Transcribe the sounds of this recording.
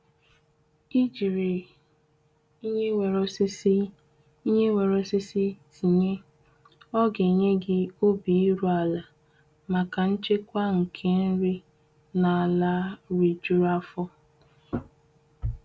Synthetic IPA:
i˦d͡ʒi˨ɾe˨ | i˦ɲe˦wʷe˨ɾɔ˨˦sɪ˦si˦ | i˦ɲe˦we˨ɾɔ˦sɪ˦si˦si˨ɲe˦ | ɔ˦ɡe˨ɲe˦ɡɪ˦o˦bi˨i˦ɾu˦a˨la˨ | ma˨ka˨n̩˦t͡ʃe˦kʷa˦ŋ̩˨kʰe˦n̩˦ɾi˦ | na˨a˨la˦ɾi˨d͡ʒu˦ɾa˦fɔ˦

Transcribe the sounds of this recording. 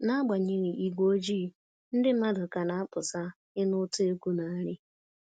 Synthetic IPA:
na˦a˦ɡ͡ba˨ɲe˨ɣi˨ʔi˨ɡʷo˦d͡ʒiː˦ | n̩˦dɪ˦ma˦dʊ˨ka˨na˨a˦pʊ˨sa˦ | ɪ˦nʊ˦tʊ˦e˦ku˦na˨a˦ɾɪ˦

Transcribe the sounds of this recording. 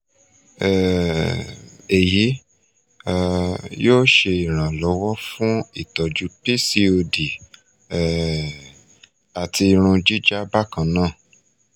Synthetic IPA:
ɛ˨ | e˨ji˨˦˧ | joː˦ʃe˧i˨ɾ̃ã˨lɔ˨˦wɔ˦fũ˦i˦˨tɔ˨d͡ʒu˨˦pi˦si˧o˧di˨ | a˨tʰi˧ɾ̃ũ˧d͡ʒi˦d͡ʒa˦ba˦˨kã˧˨nãː˦˨

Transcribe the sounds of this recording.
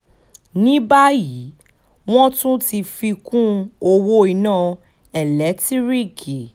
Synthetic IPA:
nĩ˦ba˦ji˨˦ | w̃ɔ̃˦tũ˦ti˧fi˧kũ˦o˧wo˧i˨nãː˦˨ | ɛ˨lɛ˨˦ti˦ɾi˦ki˨

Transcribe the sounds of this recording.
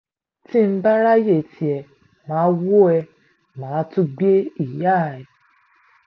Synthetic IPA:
ti˦m̩˦ba˦ɾa˦je˦˨tʰi˨ɛ˧˨ | mãː˨˦wo˦ɛ˧ | mãː˨˦tũ˦ɡ͡be˦i˦˨ja˦˨ɛ˨

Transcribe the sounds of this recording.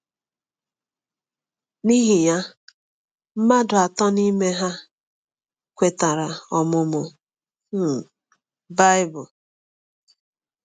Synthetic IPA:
ni˦ɦi˨ja˦ | m̩˦ma˦dʊ˨a˨tɔ˦ni˦me˦ɦa˦ | kʷe˨ta˨ɾa˨ɔ˨mʊ˦mʊ˨ | ba˦ɪ˦bʊ˨

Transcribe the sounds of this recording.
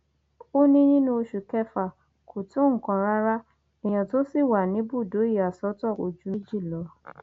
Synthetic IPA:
o˦nĩ˦nĩ˦nũ˧˦o˧ʃu˨kɛ˦fa˨ | kʰo˨to˦ŋ̩˦˨kã˨ɾa˦ɾa˦ | ɛ˨j̃ã˨to˨˦si˦˨wa˨nĩ˨˦bu˦˨do˨˦i˦˨a˨sɔ˨˦tɔ˦˨o˨d͡ʒu˨˦i˦d͡ʒi˦˨lɔ˨˦

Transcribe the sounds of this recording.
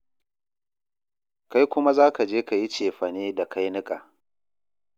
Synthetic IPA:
ka˦jkʷʊ˦ma˦zaː˦ka˨d͡ʒeː˦ka˨ji˦t͡ʃeː˨ɸɐ˨neː˦da˨kʰa˦jnɪ˦kʼaː˨

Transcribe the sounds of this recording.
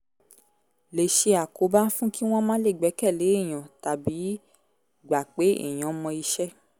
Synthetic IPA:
le˨ʃe˧a˨ko˨˦ba˦fũ˦ki˦w̃ɔ̃˦mã˦le˦˨ɡ͡bɛ˨˦kɛ˦˨le˨˦e˦˨j̃ã˨ta˨bi˨˦ | ɡ͡ba˨k͡pe˨˦ḛ˦˨j̃ã˨˦mɔ̃˧i˧ʃɛ˦

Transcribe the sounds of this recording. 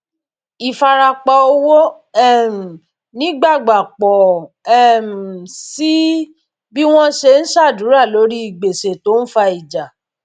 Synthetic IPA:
i˨fa˧ɾa˧k͡pɔ˧o˦wo˦ | ɛ˦˨m̩˨ | nĩ˦ɡ͡ba˦˨ɡ͡ba˨k͡pɔ˨ | ɛ˦˨m̩˨si˦ | bi˦w̃ɔ̃˦ʃe˧˦n̩˦ʃa˦˨dũ˨˦ɾa˦˨lo˨˦ɾi˦i˦˨ɡ͡be˨se˨to˨˦n̩˦fa˧i˨d͡ʒa˨

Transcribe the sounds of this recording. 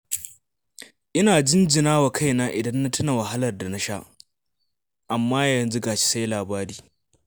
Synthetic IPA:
ʔɪ˦naː˨d͡ʒɪ˦nd͡ʒɪ˨naː˦wa˨kʰa˦jnaː˦ʔɪ˨dɐ˦nːa˦tʊ˦na˨wɐ˨ɦa˦lɐ˨rda˨na˦ʃa˦ʔ | ʔa˨mːaː˦jɐ˨nzʊ˦ɡaː˨t͡ʃi̥˦sa˦jlaː˨baː˦ɾiː˦

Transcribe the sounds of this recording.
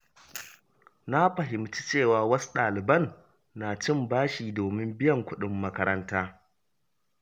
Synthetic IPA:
na˦ɸɐ˨ɦɪ˨mt͡ʃi̥˦t͡ʃeː˦˨waː˨wɐ˦su̥˦ɗaː˨lɪ˨bɐ˦˨nː | aː˨t͡ʃɪ˦˨mbaː˦ʃiː˨doː˨mɪ˦mbɪ˦jɐ˨ŋkʷʊ˦ɗɪ˦mːɐ˦kɐ˦ɾɐ˦ntaː˦

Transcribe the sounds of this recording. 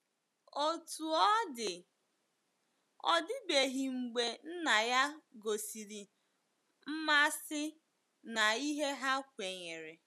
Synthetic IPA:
o˦tu˨ɔ˦dɪ˨ | ɔ̰˨dɪ˦be˨ɦi˨ŋ͡m̩˨ɡ͡be˨n̩˦na˨ja˦ɡo˨si˨ɾi˨ | m̩˦ma˦sɪ˦ | na˨i˦ɦe˦ɦa˦kʷe˨ɲe˨ɾe˨

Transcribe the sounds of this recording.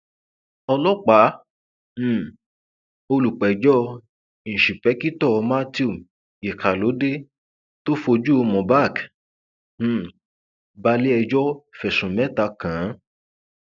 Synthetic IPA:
ɔ˧lɔ˦k͡pã˨˦˨ | o˧lu˨k͡pɛ˨d͡ʒɔ˦ | ñ̩˨ʃi˨pɛ˨˦ki˦tɔ˦˨˧ma˦ti˦u˨ | e˨kʰa˨lo˨˦de˦ | to˦fo˧d͡ʒu˦o˧mɔ̃˨ba˦˨k̩˦˨ | ba˧˦le˦ɛ˧d͡ʒɔ˦fɛ˨sũ˨mɛ˨˦ta˧kã˨˦

